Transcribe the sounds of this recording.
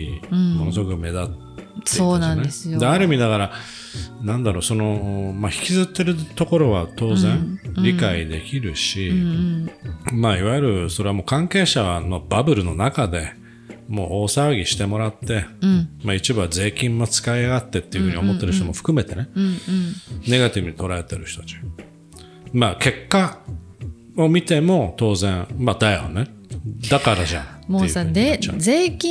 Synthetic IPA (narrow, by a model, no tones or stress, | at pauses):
mo̞nosokɯ̟me̞d̪at̪ː | eoːnaneesd̪eaɾɯ̟mʲid̪akaɾa | nãnd̪aɾo̞ːso̞no̞maçi̥kʲizɨt̪ːe̞ɾɯ̟t̪o̞ko̞ɾo̞βat̪o̞ːzẽ̞ɴɾʲikaid̪e̞kʲiɾɯ̟ɕi | maːiβajɯɾɯ̟so̞ɾe̞amo̞ːkãŋke̞ːɕano̞babɯ̟ɾɯ̟no̞nakad̪e̞ | mo̞̰ːoːsaɡʲiɕi̥t̪e̞mo̞ɾat̪ːe̞mait͡ɕibɯβaze̞ːkʲĩnːot͡sɨ̥kaiaɡat̪ːe̞t̪ːeiɯ̟ɯ̟ɲio̞mo̞t̪ːe̞ɾɯ̟ɕot̪omo̞ɸɯ̟̥kɯ̟me̞t̪e̞nẽ̞ | ne̞ɡat̪ʲibɯ̟ɲ̟it̪o̞ɾae̞t̪eɾɯ̟ɕtot̪at͡ɕi̥ | make̞kːa | omʲit̪e̞mo̞t̪o̞ːzẽ̞ŋmad̪ajo̰ne̞ | d̪akaɾaʑãntːḛ | ekʲĩ